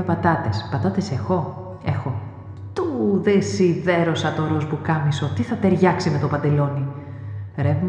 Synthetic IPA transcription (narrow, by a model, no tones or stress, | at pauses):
epɐt̪ɐt̪espɐt̪ɐt̪ese̞xo̞ | e̞xo̞ | t̪uðesiðe̞ɾo̞sɐt̪o̞ɾozbukɐmiso̞t̪iθɐt̪e̞ɾʝɐksime̞t̪o̞pɐnd̪e̞lo̞ni | ɾevm